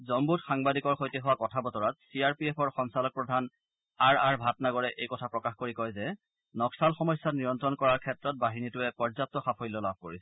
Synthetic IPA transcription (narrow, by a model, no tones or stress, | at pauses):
zɔmbutxaŋbadikɔɹxojtɛɦʊwakɔtʰabɔtɔɹat̚siaɹpiepʰɔɹxɔŋsalɔk̚pɹɔdʱan | aɹaɹbʱatnaɡɔɹɛʔejkɔtʰapɹɔkaxkoɹikɔjzɛ | nɔksalxɔmɔjsːatniɹɔntɹɔnkɔɹaɹkʰɛtɹɔt̚baɦinitʊɛpɔɹzap̚tɔxapʰojlɔlab̚ʱkoɹisɛ̥